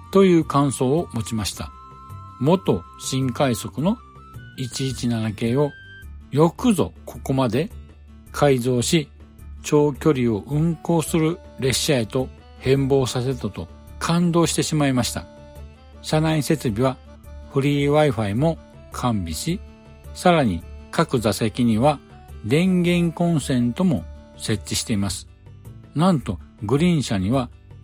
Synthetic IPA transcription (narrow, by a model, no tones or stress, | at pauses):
t̪o̞jɯ̟ːkãɰ̃so̞ːmo̞t͡ɕimaɕi̥t̪a̰ | mo̞t̪o̞ | ɕĩŋkaiso̞kɯ̟no̞ | it͡ɕiːt͡ɕinanake̞ːo̞ | jo̞kɯ̟zo̞̰kʰo̞ko̞mad̪e̞ | kʰaizo̞ːɕit͡ɕo̞ːkʲo̞ɾʲio̞ʔɯ̟̃ŋko̞ːsɨɾɯ̟ɾe̞ɕaet̪o̞ | hẽ̞mbo̞ːsase̞t̪ot̪o̞ | kʰãnd̪o̞ːɕi̥t̪e̞ɕimaimaɕi̥t̪a̰ | ɕanaise̞t͡sɨbʲiβa | ɸɯ̟ɾʲiːβaiɸaimo̞ | kʰãmbʲiɕi | saɾaɲ̟ikakɯ̟zase̞kʲiɲ̟iβa | d̪ẽ̞ŋɡẽ̞ŋkõ̞ñsẽ̞nt̪o̞mo̞̰se̞t͡ɕt͡ɕːiɕi̥t̪e̞imasɨ̥ | nãnt̪o̞ɡɯ̟ɾʲĩɰ̃ɕaɲ̟iβa